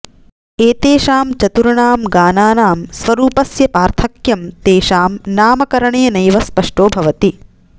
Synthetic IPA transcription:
eːt̪eːʃaːmt͡ʃɐt̪uɾɐɳaːmɡaːnaːnaːmsʋɐɾuːpɐsjɐpaːɾt̪ʰɐkjɐmt̪eːʃaːmnaːmɐkɐɾɐɳeːnɐjʋɐspɐʂʈoːbʱɐʋɐt̪i

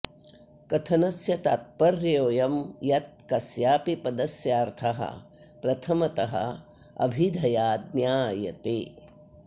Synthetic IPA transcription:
kɐt̪ʰɐnɐsjɐt̪aːt̪̚pɐɾjoːjɐmjɐt̪̚kɐsjaːpipɐd̪ɐsjaːɾt̪ʰɐɦɐ̰ | pɾɐt̪ʰɐmɐt̪ɐɦɐ̰ | ɐ̰bʱid̪ʱɐjaːd̪̚njaːjɐ̰t̪eː

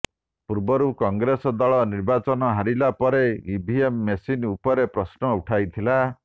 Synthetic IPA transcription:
puɾbɔɾukɔŋɡɾesɔd̪ɔɭɔniɾbat͡ʃɔnɔɦaɾilapɔɾeibʱiemːesinupɔɾepɾɔsnɔuʈʰajt̪ʰila

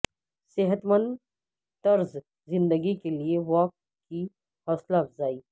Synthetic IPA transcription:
seɦət̪mə̃nd̪ | t̪ɐɾz | zɪ̃nd̪əɡikelieʋɔːk | kːi | hɔːslaːbzaːiː

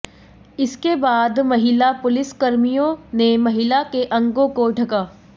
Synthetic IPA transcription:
ɪskebaːd̪mɐɦɪlapʊlɪskɐɾmijõnemɐɦɪlakeʔɐ̃ŋɡõkoɖʱɐkaː

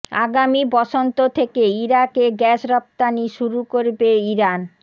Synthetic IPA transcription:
a̰ɡamibɔʃont̪ot̪ʰekeiɾakeɡɛʃɾɔp̚t̪aniʃuɾukoɾbeiɾan

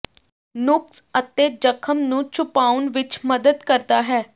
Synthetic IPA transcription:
nʊks | ət̪eːd͡ʒəkʰəmnũːt͡ʃʰʊpaːʊnʋɪt͡ʃməd̪əd̪kəɾd̪aːɦɛː

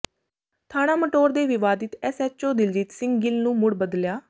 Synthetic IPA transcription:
t̪ʰaːnaːməʈoːɾd̪eːʋɪʋaːd̪ɪt̪ɛsɛːt͡ʃt͡ʃoːd̪ɪld͡ʒiːt̪sɪ̃ŋɡɡɪlnũːmʊɽbəd̪ljaː

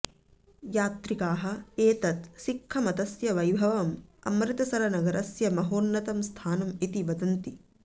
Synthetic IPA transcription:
jaːt̪ɾikaːɦɐ̆eːt̪ɐt̪sikʰːɐmɐt̪ɐsjɐʋɐjbʱɐʋɐmɐ̰mɾɪt̪ɐsɐɾɐnɐɡɐɾɐsjɐmɐɦoːnːɐt̪ɐmst̪ʰaːnɐmit̪iʋɐd̪ɐnt̪i

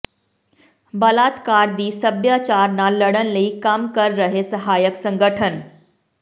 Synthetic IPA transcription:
bɐlaːt̪kaːɾd̪iːsɐbjaːt͡ʃaːɾnalɐɽənləikɐmkɐɾːɐɦesɐɦaːjəksɐ̃ŋɡəʈʰən

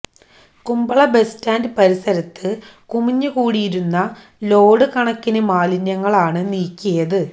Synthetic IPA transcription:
kumbɐɭɐbe̞staːndɨpɐɾisɐɾɐt̪ːɨ | kumiɲːɨkuːɽijiɾunːɐ | lo̞ːɽɨkɐɳɐkːinɨmaːlinjɐŋːɐɭaːɳɨniːkʲːijɐðɨ

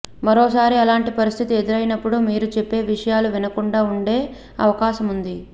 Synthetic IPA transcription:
mɐɾo̞ːsaːɾiɐlaːɳʈipɐɾist̪ʰit̪ie̞d̪iɾɐjnɐpːuɽumiːɾut͡ʃe̞pːe̞ːʋiʂɐjaːluʋinɐkuɳɖaːuɳɖe̞ː | ɐ̰ʋɐkaːʃɐmund̪i

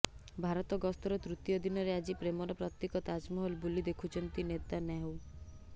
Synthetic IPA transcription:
bʱaɾɔt̪ɔɡɔst̪ɔɾɔt̪ɾut̪jɔd̪inɔɾead͡ʒipɾemɔɾɔpɾat̪ːekɔt̪ad͡ʒmɔɦɔlbulid̪ekʰut͡ʃʰɔnt̪inet̪anaɦw

